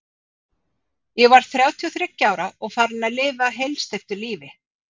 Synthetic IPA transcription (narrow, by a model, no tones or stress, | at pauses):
jɛɣvaɾ̥θɾjaːwt̪ʰiɔθɾɪcːaːwɾaɔɣfaɾnalɪːvaɦejlst̪ejft̪ʏɾliːvɪ